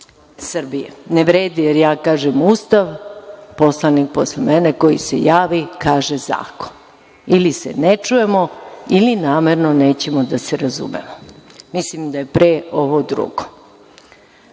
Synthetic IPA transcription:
sr̩bijḛneʋɾeːd̪ijeɾjaːkaːʒemust̪aʋpo̞slˠanik̚poslemene̞ko̞jḭse̞̰jaːʋikaːʒeza̰ːko̥n | ilisḛnet͡ʃuje̞mo̞ilinaːme̞ɾno̞ne̞ːt͡ɕe̞mo̞d̪aseɾazṵmḛmomislimd̪aje̞pɾeːo̞ʋod̪ɾṵɡ̥o̥

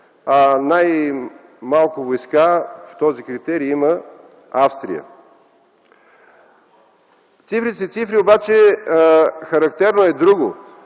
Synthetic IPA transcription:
anaj | malˠkʊvojskaft̪ɔzikɾit̪ɛɾiimə | afst̪ɾḭjə̰ | t̪sifɾit̪ɛsɛt̪sifɾiobat͡ʃɛ | xɐɾɐkt̪ɛɾnoɛd̪ɾuɡo

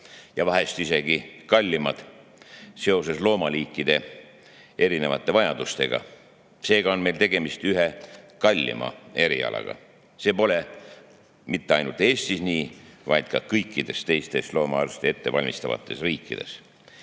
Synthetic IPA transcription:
jɑvɑɦe̞st̪ise̞ɡ̥ikɑlʲːimɑd̪̥ | se̞o̞se̞slo̞ːmɑliːkˑːid̪̥e̞ | e̞ɾine̞vɑt̪ˑːe̞vɑjɑd̪̥ust̪e̞ɡ̥ɑ̰ | se̞ːɡ̥ɑo̞nme̞jlt̪e̞ɡ̥e̞mist̪yɦekɑlʲːḭmɑ̰e̞ɾiɑ̰lʔɑ̰ɡ̥ɑ̰ | se̞ːpo̞le̞ | mit̪ːeɑjnult̪ˑe̞ːst̪isniːvɑjd̪̥̚kɑkɤjkːid̪̥e̞st̪e̞jst̪e̞slo̞ːmɑɑrst̪ee̞t̪ːe̞vɑlʲmist̪ɑvɑ̰t̪ːˑe̞sriːkːˑid̪̥e̞̰s

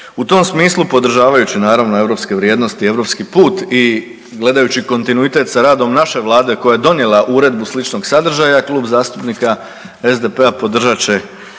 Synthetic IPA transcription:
ut̪o̞msmiːslˠupo̞d̪r̩ʒaːʋajut͡ɕinaːɾaʋnoe̞ʋɾo̞pske̞ʋɾjed̪no̞st̪ie̞ʋɾo̞pskipuːt̪i | ɡle̞d̪ajut͡ɕiko̞nt̪inuit̪e̞t̪saɾaːd̪o̞mnaʃe̞ʋlˠaːd̪e̞ko̞jaje̞d̪o̞nje̞laʔuɾe̞d̪̚buslit͡ʃno̞ɡsad̪r̩ʒajaklˠuːbzaːst̪upnika | e̞zd̪e̞pe̞apo̞d̪r̩ʒat͡ɕe̞

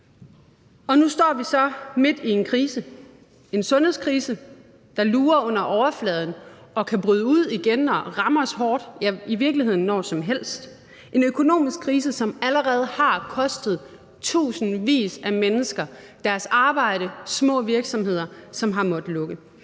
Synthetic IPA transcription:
ɒ̽nusd̥ɒ̰ːʋisɒ̽me̝d̥ie̝nkʰʁiːsə | e̝nsɔ̽nhe̝̰skʰʁiːsə | d̥ɑ̈luːɐɔ̽n̰ɐʔɒʊɐflɛːð̞ˠn̩ʔɒ̽kʰæb̥ʁyð̞ˠəuð̞̰ˠiɡ̥enɒ̽ʁɑ̈məɒshɒːd̥jæiʋiɐɡ̥lihe̝ð̰ˠn̩ːɒ̰ːsɒ̽mɦel̰sd̥ | ʔe̝nøkʰo̝no̝̰ːmisɡ̥̚kʰʁiːs̬əsɒ̽mæləʁɛːð̞̩ˠhɑ̈kʰɒ̽sd̥ð̩ˠ | t͡sʰṵːsn̩ʋḭːsæmenəsɡ̥ɐd̥æɐsɑ̈ːb̥ɑ̈ɪ̰ɾ̥əsmɔ̰̽ːʋiɐɡ̥sɒ̽mhe̝ð̞̰ˠɐsɒ̽mɦɑ̈mɒ̽d̥lɔ̽ɡ̥ə

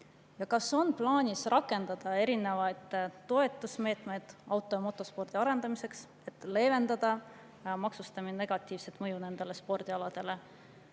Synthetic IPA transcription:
jɑkɑso̞nplɑːnʲisrʔɑkːˑe̞nd̪̥ɑd̪̥ɑe̞ɾine̞vɑjd̪̥ːo̞e̞t̪ːˑusme̞ːt̪ˑme̞jd̪̥ɑwt̪ːˑo̞jɑmo̞t̪ːˑo̞spo̞rd̪̥iɑɾe̞nd̪ɑmise̞ks | e̞t̪ːˑle̞ːve̞nd̪̥ɑd̪̥ɑ | mɑksust̪ɑmine̞ɡ̥ɑt̪ˑːiːvse̞t̪ˑmɤ̞june̞nd̪̥e̞le̞spo̞rd̪̥iɑlɑd̪̥e̞le̞

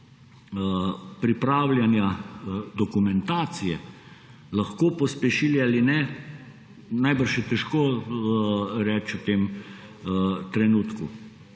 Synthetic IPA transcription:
pɾipɾaːwlʲjanjad̪ɔkumɛnt̪aːt̪sijɛ | laxkoːpɔspɛʃilialinɛ | najbəɾʃjɛt̪ɛʃkoː | ɾɛːt͡ʃut̪em | t̪ɾɛnuːt̪ku

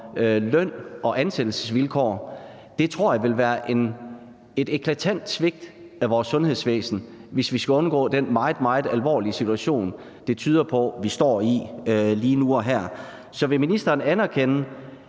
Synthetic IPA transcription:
lœn̰ɒ̽ʔænsed̥l̩sə̥sʋilkʰɒ̰ː | d̥e̝t͡sʰʁo̝ɐ̰jɑ̈ʋe̝lʋæːɐʔe̝n | e̝d̥e̝kʰlæt͡sʰæn̰d̥sʋe̝ɡ̥̚d̥ | æʋɒːsːɔ̽nhe̝ð̞̰ˠsʋḛːsn̩ʋe̝sʋisɡ̥æɔ̽nɡ̥ɔ̰̽ːd̥enmɑ̈ɪð̩ˠmɑ̈ɪð̩ˠælʋɒ̰ːliəsit͡sʰuæɕo̝̰ːn | d̥e̝t͡sʰyːð̞ˠɐpʰɒ̽ʋisd̥ɒ̰ːiliːnuɒ̽ɦæɐ̰ | sɒ̽ʋe̝minisd̥ɐːnænæɐkʰenə

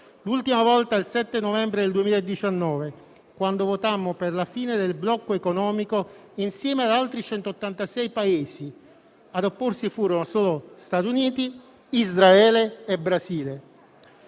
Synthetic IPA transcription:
lult̪imavɔlt̪ailsɛt̪ːenovɛmbɾed̪eld̪uemiːlaed̪ːit͡ʃanːɔːve | kwand̪ovot̪amːoperlafiːned̪elblɔkːoekonɔːmikoinsjɛːmead̪alt̪ɾit͡ʃɛnt̪oot̪ːant̪asɛjpaeːsi | ad̪opːorsifuːɾonosoːlost̪at̪juniːt̪i | izɾaɛːleːbɾaziːle

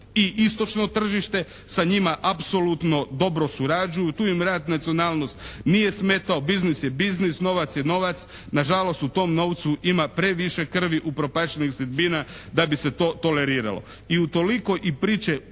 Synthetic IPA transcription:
iʔist̪o̞t͡ʃno̞t̪r̩ʒiʃt̪e̞ | saɲimaʔapso̞lut̪no̞d̪o̞bɾo̞suɾad͡ʒujut̪uːjimɾaːd̪nat̪sionaːlˠno̞st̪nije̞sme̞t̪aobiznisjebiznisno̞ʋat̪sjeno̞ʋat̪s | naʒalo̞st̪ut̪o̞ːmno̞ːʋt̪suʔimapɾe̞ʋiʃe̞kr̩ʋiʔupɾo̞paʃenixsid̪biːnad̪abise̞t̪o̞ːt̪o̞le̞ɾiːɾa̰lo̰ | iut̪o̞liko̞ʔipɾiːt͡ʃe

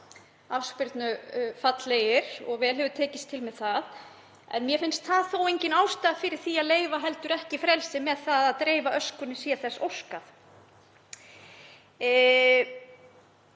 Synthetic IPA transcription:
afspɪɾt̪nʏfat̪lejɪɾ̥ɔ̰ɣvɛːlɦɛvʏt̪ʰɛːcɪst̪ʰɪlmɛðθað | ɛ̰nmjɛfɪnst̪θaðθowejɲcɪnawst̪aðfɪɾɪɾ̥θiaðleːjvaɦɛlt̪ʏɾɛhcɪfɾɛlsɪmɛðθaðaðt̪ɾeːjvaʔœskʏnːɪsiːaθɛsːo̰wskaθ

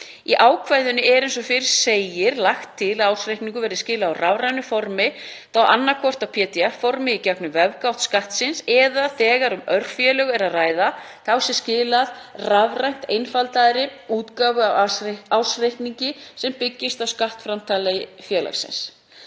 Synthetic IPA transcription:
iʔaːwkʰvajðʏnʏɛɾejnsɔfɪɾɪ̥seːjɪɾlaxt̪ʰːɪlaðawsrejhkniŋkʏvɛɾðɪscɪːlaːwravɾajnʏfɔɾmɪθawʔa̰nːakʰɔr̥t̪awpʰɛːt̪iɛfːɔɾmɪicaknʏvɛvkaw̥t̪skaht̪sɪnsɛðaθɛːɣaɾʏmœɾ̥fjɛlœɣɛɾaðraːjða | θawsɛmscɪːlaðravrajn̥t̪ejnfalt̪aðɾɪuːt̪kaːvʏaawsrejhkniɲcɪsɛmpɪcːɪst̪awskaht̪fɾamt̪ʰalajɪfjɛːla̰ɣsɪ̰ns

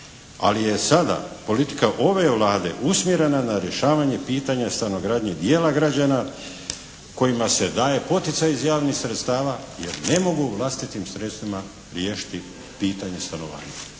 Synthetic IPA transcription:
a̰lije̞sad̪a̰po̞lit̪i̥kaʔo̞ʋe̞ʋlˠaːd̪e̞̰ʔusmje̞ɾe̞nanaɾje̞ʃaːʋaɲe̞piːt̪aɲast̪anoɡɾaːd̪ɲed̪jeːlaɡɾad͡ʑana | ko̞jimase̞d̪aːje̞po̞t̪it̪sajizjaːʋnixsɾet̪st̪aːʋajḛɾne̞mo̞ɡuʋlˠast̪it̪imsɾe̞t̪st̪ʋima | ɾjeːʃi̥t̪i | piːt̪aɲe̞st̪ano̞ʋa̰ːɲa

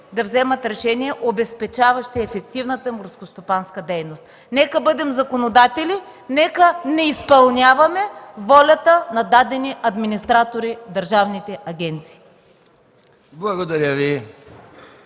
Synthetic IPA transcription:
d̪ɐvzɛmɐt̪ɾɛʃɛniɛʔobɛspɛt͡ʃavɐʃt̪ɛɛfɛkt̪ivnət̪əmoɾskost̪opanskəd̪ɛjnost̪ | nɛkəbɤd̪ɛmzɐkonod̪at̪ɛlʲinɛkənɛispɐlˠnʲavɐmɛvɔlʲɐt̪ənɐd̪ad̪ɛniʔɐd̪minist̪ɾat̪oɾid̪ɐɾʒavnit̪ɛʔɐɡʲɛnt̪si̥ː | blˠɐɡod̪ɐɾʲəvi

